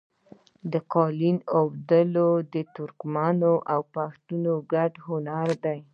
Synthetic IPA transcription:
d̪əqɑlinawd̪əlod̪ət̪ʊɾkmɑnoʔawpaxt̪unoɡaɖhʊnaɾd̪aj

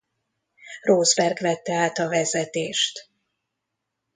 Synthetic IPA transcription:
roːzbɛrɡvɛt̪ːɛaːt̪ɒvɛzɛt̪eːʃt̪

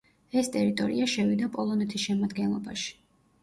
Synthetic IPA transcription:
ɛst̪ʼɛɾit̪ʼɔɾḭaʃɛvid̪apʼɔlˠɔnɛt̪ʰisʃɛmad̪ɡɛnlˠɔba̰ʃi̥

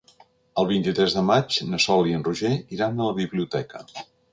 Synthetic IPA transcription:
əlˠβ̞int̪it̪ɾɛzðəmad͡ʒnəsɔliənruʒeiɾand̪ələβiβliut̪ɛkə̰

